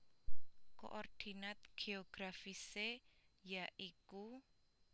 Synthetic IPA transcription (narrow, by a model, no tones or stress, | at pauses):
ko̰ʔɔrd̪̥i̤nat̪̚ɡ̥eɔɡ̥ɾafisejaʔiku